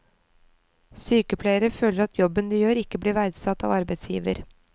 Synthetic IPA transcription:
syːkəpʰlæɪəɾəføːləɾɑt̪jɔbənd̪iːjøːɾɪkːəbliːɾʋæɾd̪sɑt̪ːɑ̰ːʋɑɾbɛɪt̪sjḭːʋə̰ɾ

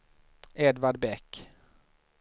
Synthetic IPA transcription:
ɛd̪vaɖbɛkː

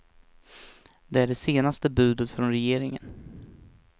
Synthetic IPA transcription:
d̪ɛæɖɛseːnast̪əbʉ̟ːd̪ət̪fɾɔnɾɛjeːɾɪŋə̰n

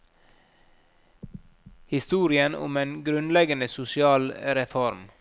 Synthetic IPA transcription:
hɪst̪uːɾɪənʊ̰meːnɡɾʉnlɛɡənəsʊsɪɑːlɾɛfɔɾm

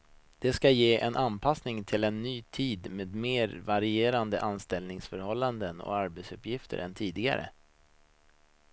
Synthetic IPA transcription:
d̪̥ɛskajeːʔɛnʔanpʰasnɪŋt̪ʰɪlɛnːyːt̪ʰiːd̪meːd̪meːɾvaɾɪeːɾand̪əʔanst̪ɛlnɪŋsfœɾhɔlːand̪ənɔ̰kaɾbɛt̪sɵpjɪft̪ʰə̰ɾɛ̰nt̪ʰiːd̪ɪɡa̰ɾə̰

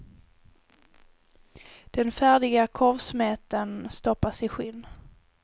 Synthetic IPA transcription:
d̪̥ɛnfæːɖɪɡakʰɔɾvsmɛːt̪ənst̪ɔpːasɪɧɪnː

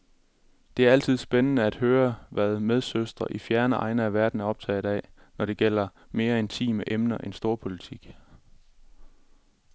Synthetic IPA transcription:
d̥e̝æɐæl̰t͡sʰið̞̰ˠsb̥enənəæd̥høːɐʋæð̞ˠmeð̞ˠsøsd̥ʁɐʔifjæɐnəʔɑ̈ɪnəæʋæɐd̥n̩æɒ̽b̥̚t͡sʰɛ̰ːð̩ˠæ̰ | nɒɾ̥e̝ɡ̥el̰ɐ | me̝ːɐe̝nt͡sʰḭːməʔemnɐʔensd̥o̝ːɐpʰo̝lit͡sʰiɡ̥

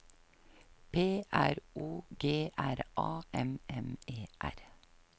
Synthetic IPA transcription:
pʰeːʔæɾuːɡeːʔæɾʔɑːɛmɛmeːʔæɾ

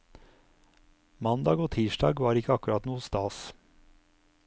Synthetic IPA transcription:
mɑnd̪ɑːɡoːt̪ʰiːʃɖɑːɡʋɑːɾɪkəɑkʉɾɑt̪nuːəst̪ɑːs

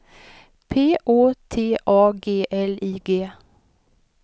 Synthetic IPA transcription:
pʰeːʔoːt̪ʰeːʔɑːɡeːʔɛliːɡeː

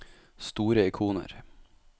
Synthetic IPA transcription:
st̪uːɾəɪkʰuːnə̰ɾ

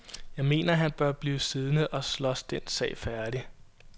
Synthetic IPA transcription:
jɑ̈ɪme̝̰ːnɐɦænb̥ɶɐb̥liːsið̞ˠnəʔɒ̽slɒ̽sd̥ensɛ̰ɪfæɐd̥i

